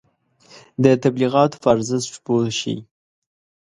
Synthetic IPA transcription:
d̪ət̪abliɣɑt̪o̥faɾzɪsʈpoʃḭ

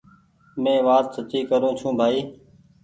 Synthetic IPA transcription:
mẽːʋaːt̪sət͡ʃiːkəɾõːt͡ʃʰũːbʱaːiː

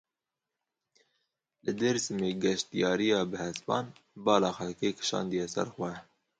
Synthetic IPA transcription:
lɨd̪eɾsɨmeːɡɛʃt̪ijɑːɾijɑːbɨhɛspɑ̰ːnbɑːlɑːxɛlkeːkʰɨ̥ʃɑ̰ːnd̪ijɛsɛ̰ɾxwɛ

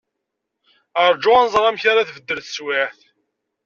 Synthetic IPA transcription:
əɾˤd͡ʒːʊænəzˤɾˤɑmçaɾaθvəd̪ːəɾθə̥swɪθ

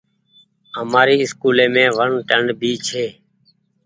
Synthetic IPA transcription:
əmaːɾiːɪskuːlẽːmẽːʋəɳʈəɳɖbʱiːt͡ʃʰeː

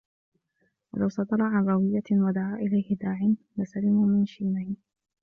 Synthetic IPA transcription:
wa̰lawsˤɑd̪ɑɾˤɑʕanɾˤɑwɪjːawad̪aʕaːʔɪlajhɪd̪aːʕɪn | lasalɪmuːmɪnʃiːnaj

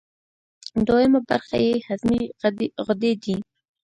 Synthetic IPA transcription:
d̪ojamaba̰ɾxa̰jehazmiɣʊd̪ed̪i

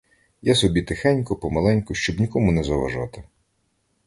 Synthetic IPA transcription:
jasɔbʲit̪ɪxanʲkʊpɔmɐlˠɛnʲkʊʃt͡ʃɔbnʲikɔmʊnɛzɐʋɐ̰ʒɑ̰t̪ɪ

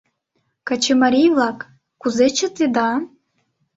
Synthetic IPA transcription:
kat͡ɕemaɾʲijvlˠɑkː | uzet͡ɕɘ̆t̪ed̪ɑ

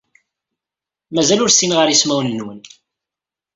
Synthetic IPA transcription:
mæzælʊɾsinʁəɾismæwnəːwən

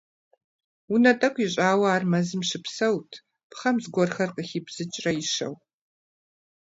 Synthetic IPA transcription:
unɐtʼɐkʷʰʼiɕʷʼaːwɐaːrmɐzɨmʃɪpsɐwtʰ | pχɐmzɡʷɔrχɐrqʼəxipz̥ɨt͡ʃʼrɐiʃɐ̰w

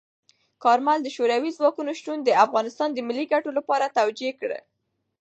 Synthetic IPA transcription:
kɑɾmald̪əʃoɾawizwɑkunoʃt̪und̪əafɣɑnɪst̪ɑnd̪əmilːiɡaʈolapɑɾat̪awd͡ʒekɽə̰

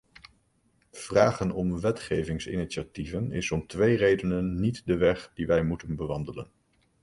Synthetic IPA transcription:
v̥raːχənɔmʋɛtχejvɪŋsɪ̰niʃativənɪ̰sɔmtʋejrejdənənːitdəʋɛχdiʋɛjmutənbəʋɑndələ̰n

